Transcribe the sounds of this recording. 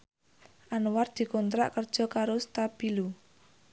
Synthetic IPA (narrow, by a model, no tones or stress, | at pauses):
ʔanward̪̥i̤kɔnt̪ɾa̰ʔkərd̥ʒ̥ɔ̤kaɾost̪ab̥ilu